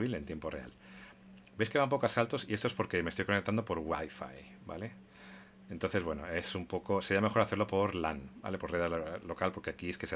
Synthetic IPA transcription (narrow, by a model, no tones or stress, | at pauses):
βile̞nt̪jempo̞re̞a̰l | beskeβamp̬o̞koasalt̪o̞siest̪oe̞spo̞ɾke̞mest̪ojkonekt̪and̪opo̞ɾɣwa̰jfa̰j | ba̰le̞ | ent̪o̞nθe̞zβwe̞noe̞sumpo̞ko̞se̞ɾiame̞xo̞ɾaθeɾlo̞po̞ɾla̰nba̰le̞po̞ɾreðalo̞kalpo̞ɾke̞akieske̞se